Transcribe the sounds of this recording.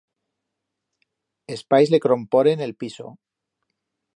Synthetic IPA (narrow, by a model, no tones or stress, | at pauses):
espajzlekɾo̞mpoɾene̞lpiso̞̰